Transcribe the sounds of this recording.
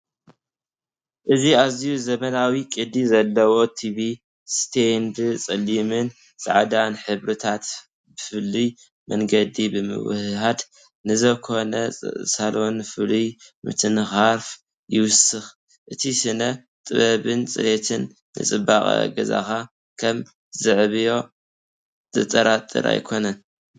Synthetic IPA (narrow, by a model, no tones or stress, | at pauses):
ʔɨziazijuzɐmɐnawikʼɨd̪izɐlːɐwo̞t̪ʰiβi | st̪ʰend̪t͡sʼɨlːimɨn | sʼa̰ʕd̪anħɨβɾɨt̪ʰat̪ | bɨfɨlːi | mɐŋɡɐd̪ibɨmɨ̰w̰hɦad̪ | nɨzɐkʰo̞nɐsalonfɨlimɨ̰t̪ʰɨnxaɾf | jɪwʊsɨx | ʔɨt̪ʰisɨnɐ | t̪ʼɨβɐβɨnt͡sʼɨ̰jet̪ʰɨnː | ɨ̰t͡sʼɨbakʼɡɐza̰xa | kʰɐm | zɨʕβijo̞ | t̪ɨt͡sʼɐɾat̪ʼːɨ̰ɾa̰jkʰo̞nɐn